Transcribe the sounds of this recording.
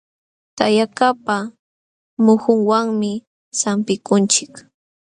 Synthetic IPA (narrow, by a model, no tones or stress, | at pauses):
t̪ajakapa | mʊhʊŋwaŋmɪ | sampɪkʊnt͡ʃɪk